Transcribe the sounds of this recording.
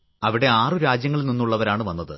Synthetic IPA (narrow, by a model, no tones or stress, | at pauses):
ɐʋiɽe̞aːrɨɾaːd͡ʑjɐŋːɐɭninːuɭːɐʋɐɾaːɳɨʋɐnːɐðɨ